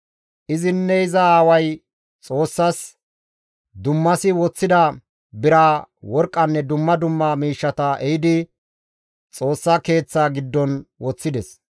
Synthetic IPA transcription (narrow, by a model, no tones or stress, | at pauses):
ʔɪzɪnːɛɪzɐaːwɐj | t͡sʼo̞ːsːɐs | d̪ʊmːɐsɪwɔt͡sːɪd̪ɐ | bɪɾaːwɔɾkʼːɐnːɛd̪ʊmːɐd̪ʊmːaːmiːʃːɐt̪ɐɛjɪd̪ɪ | t͡sʼo̞ːsːɐke̞ːt͡sːaːɡɪd̪ːɔnwɔt͡sːɪd̪ɛs